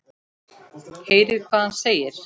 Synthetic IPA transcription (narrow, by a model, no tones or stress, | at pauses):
heːjɾɪkʰvaːðhanseːjɪɾ̥